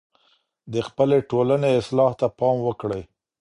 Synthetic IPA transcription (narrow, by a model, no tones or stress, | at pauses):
d̪əxpəleʈolaneɪslɑht̪apɑmwəkɽəj